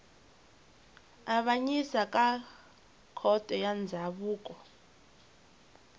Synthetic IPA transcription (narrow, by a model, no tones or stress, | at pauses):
aβaɲisakʼa | kʰɔtʼɛjand͡zʱaβuːkʼɔ